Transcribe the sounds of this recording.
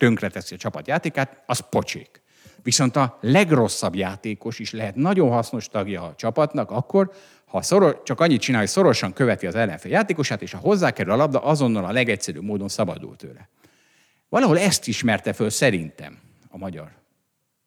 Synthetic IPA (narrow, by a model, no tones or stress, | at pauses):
t̪ø̞ŋkrɛt̪ɛsiɒt͡ʃɒpɒt̪jaːt̪eːkaːt̪ɒspo̞t͡ʃḛːk | ʋiso̞nt̪ɒlɛɡro̞sːɒbjaːt̪eːko̞ʃiʃlɛɦɛt̪nɒɟo̞nɦɒsno̞ʃt̪ɒɡjɒːt͡ʃɒpɒt̪nɒkɒkːo̞r | hɒsoɾot͡ʃɒkɒɲːit̪t͡ʃinaːɦoso̞ɾo̞ʃɒŋkø̞vɛt̪iɒzɛlːɛɱfeːljaːt̪eːko̞ʃaːt̪eːʃɒɦo̞zːaːkɛɾylɒlɒb̚d̪ɒʔɒzo̞nːɒlɒlɛɡɛcsɛɾy̰ːbmoːd̪o̞nsɒbɒ̰d̪ṵlt̪ø̰ːlɛ | vɒlɒɦo̞lɛst̪iʃmɛrt̪ɛfølsɛɾint̪ɛ̰m | ɒmɒɟɒ̰r